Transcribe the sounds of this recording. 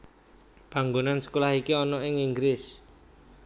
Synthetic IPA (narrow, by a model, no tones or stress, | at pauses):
b̥a̤ŋɡonansə̥kulahikiɔnɔɪŋiŋɡɾɪs